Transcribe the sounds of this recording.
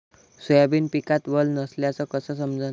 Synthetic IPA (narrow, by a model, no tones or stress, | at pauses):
sujabiːnpikat̪bəlnəsljat͡sɔkəsəs̬əmd͡za